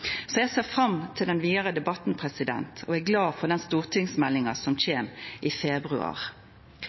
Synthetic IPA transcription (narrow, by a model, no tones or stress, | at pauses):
sɔjæseːʁfʁɑmt̪ʰɪld̪ɛnʋiːd̪əʁəd̪ɛbɑt̪n̩pʰʁɛsɪd̪ɛ̰nt̪ʰɔ̰æːɡlɑːfɔʁd̪ɛnst̪uːʁt̪ʰɪŋsmɛlːɪŋɑsɔmçeːmʔiːfɛbʁʉ̰ɑ̰ːʁ